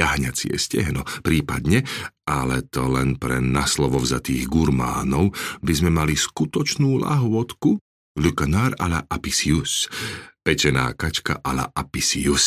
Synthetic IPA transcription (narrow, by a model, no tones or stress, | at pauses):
aɦɲat͡sɪɛ̰scɛɦnɔpɾiːpad̪ɲɛalɛt̪ɔlɛnpɾɛnaslɔʋɔvzat̪iːɣɡuɾma̰ːnɔʊbizmɛmaliskut̪ɔt͡ʃnuːla̰ɦʊɔt̪ku | lukanaɾala̰ʔapisiuspɛt͡ʃɛna̰ːkat͡ʃka̰ʔala̰ʔapisius